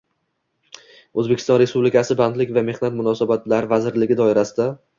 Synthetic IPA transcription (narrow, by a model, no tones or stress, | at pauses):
ɵzbe̞kʲɪ̥st̪ɒnɾe̞spublɪkʰʲasɪband̪lɪkʲvame̞hnat̪mʊnɒsabat̪laɾɪvazɪɾlɪɡʲɪd̪ɒɪɾasɪd̪a